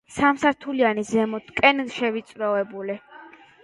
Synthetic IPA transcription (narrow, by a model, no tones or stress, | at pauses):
samsaɾt̪ʰulianizɛmɔt̪ʰkʼɛnʃɛvit̪sʼɾɔɛbuli